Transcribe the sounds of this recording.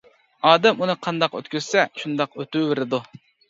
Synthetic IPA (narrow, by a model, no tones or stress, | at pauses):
ɑːd̪ɛmunɨqʰɑnd̪ɑqø̰t̪kʲyz̥sɛʃund̪ɑqøt̪ywvɪɾɪd̪u